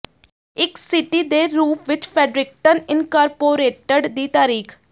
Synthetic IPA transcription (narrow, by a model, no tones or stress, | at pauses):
ɪksɪʈiːd̪eːɾuːpʋɪt͡ʃpʰɛːɖɾɪk̚ʈənɪnkaːɾpoːɾeːʈəɖd̪iːt̪aːɾiːkʰ